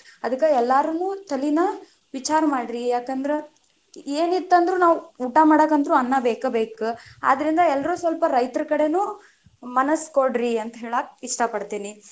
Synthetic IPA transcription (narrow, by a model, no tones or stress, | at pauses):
ɐd̪ɐkːɐɛlːaːɾɐnːuːt̪ʰɐlinɐ | ʋit͡ʃaːɾɐmaːɽiɾijaːkɐnd̪ɐɾe | eːnit̪ːɐnd̪ɾuːnaːʋuːʈamaːɽɐkːɐnd̪ɐɾuɐnːɐbeːkɐbe̞ːkua̰ːd̪ɐɾind̪ɐɛlːɐɾuːsʋɐlpɐɾɐjt̪ɐɾɐkɐɽe̞nuː | mɐnɐskoɽɾiɐnt̪ɐɦeːɭaːk̚iʂʈɐpɐɽt̪iːni